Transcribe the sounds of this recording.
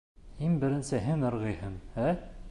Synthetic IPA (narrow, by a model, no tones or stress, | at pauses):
hinbɘ̆ɾɘ̆nsɘɦɘnŏɾʁɤ̆jhɤmæ